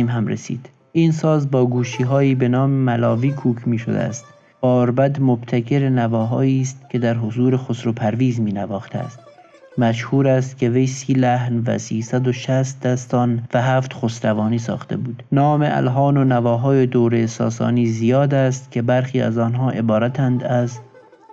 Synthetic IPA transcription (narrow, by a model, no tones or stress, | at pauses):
mɦæmɾesḭːd̪̥ | iːnsɒːzbɒːɡuːʃiːɦɒːiːbe̞nɒːmemælɒːviːkʰuːkʰmiːʃo̰d̪ḛæst̪ | b̥ɒːɾbæd̪mobt̪ʰækʰe̞ɾenævɒːɦɒːiːst̪kʰe̞d̪æɾɦozuːɾexosɾopʰæɾviːzmiːnævɒːxt̪ʰeæ̰st̪̚ | mæʃhuːɾæst̪kʲʰe̞ve̞jsiːlæhnvæ̰siːsæd̪oʃæst̪̚d̪æst̪ɒːnvæɦæːft̪xosɾævɒːniːsɒ̰ːxt̪ḛbuːd̪̥nɒːmeʔæ̰lɦɒːnonævɒːɦɒːje̞d̪oːɾesɒ̰ːsɒ̰ːniːzijɒːd̪æst̪kʲʰe̞bæɾxiːæ̰zɒːnɦɒːʔe̞bɒːɾæt̪ʰænd̪æz